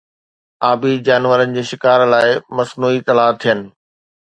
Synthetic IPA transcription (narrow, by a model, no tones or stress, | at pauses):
aːbid͡ʑaːnʋəɾənɪ̆d͡ʑeːʃɪkaːɾlaːɪmɐsnuːit̪ɐlaːt̪ʰijənɪ̆